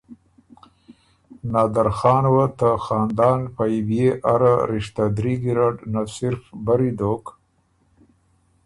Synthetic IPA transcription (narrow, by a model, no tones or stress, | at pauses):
nɑːd̪aɾxɑːnwat̪axɑːnd̪ɑːnpajbjeʔaɾaɾɪʃt̪ad̪ɾiɡiɾaɖnasɪɾfbaɾid̪oːk